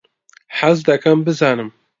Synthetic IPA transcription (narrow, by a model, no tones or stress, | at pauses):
ħazd̪ɛkʰɐmbɨzaːnɨm